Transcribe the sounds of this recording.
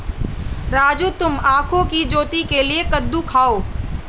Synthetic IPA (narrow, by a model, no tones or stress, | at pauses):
ɾaːd͡ʒut̪ʊmaːkʰõkid͡ʒoːt̪ikeliekəd̪ːukʰaːoː